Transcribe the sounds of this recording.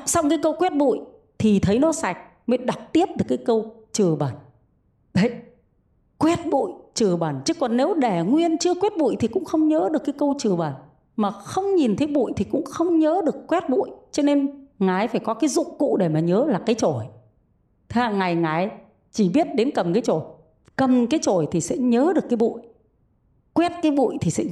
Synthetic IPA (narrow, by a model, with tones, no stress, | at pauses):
sa˧wŋ͡mkaː˨˦jkə˧wkwɛ˦˥t̚ɓṵ˧˨j | t̪ʰi˨˩t̪ʰə˨˦jnɔ˨˦sa˨˩jk̟̚ | mə˨˦ɗa˨˩p̚t̪i˦˥əp̚ɗɨ˨˩əkːaː˨˦jkə˧wt͡ɕɨ˨˩əɓaː˨˩n | ɗə˨˦j | kwɛ˦˥t̚ɓṵ˧˨jt͡ɕɨ˨˩əɓaː˨˩nt͡ɕɨ˨˦kːɔ˨˩nːe˨˦wɗɛ˧˩ŋwi˧ənt͡ɕɨ˧əkwɛ˦˥t̚ɓṵ˧˨jt̪ʰi˨˩kʊ̰˧˥ŋ͡mxə˧wŋ͡mɲəː˨˦ɗɨ˨˩əkːaː˨˦kə˧wt͡ɕɨ˨˩əɓaː˨˩n | maː˨˩xə˧wŋ͡mɲi˨˩nt̪ʰe˨˦jɓṵ˧˨jt̪ʰi˨˩kʊ̰˧˥ŋ͡mxə˧wŋ͡mɲəː˨˦ɗɨ˨˩əkːwɛ˦˥t̚ɓṵ˧˨jt͡ɕɔ˧ne˧nŋaː˨˩jfaː˧˩jkɔ˨˦kaː˨˦jzʊ̰˧˨ŋ͡mkṵ˧˨ɗe˧˩maː˨˩ɲəː˨˦laː˨˩kaː˨˦jt͡ɕo˧˩j | t̪ʰe˨˦a˧˩ŋa˨˩jŋaː˨˩j | t͡ɕi˧˩ɓi˦˥ət̚ɗe˨˦nkə˨˩mkaː˨˦jt͡ɕo˧˩j | kə˨˩mkaː˨˦jt͡ɕo˧˩jt̪ʰi˨˩sɛ̰˧˥ɲəː˨˦ɗəkːaː˨˦jɓṵ˧˨j | kwɛ˦˥t̚kaː˨˦jɓṵ˧˨jt̪ʰi˨˩sɛ̰˧˥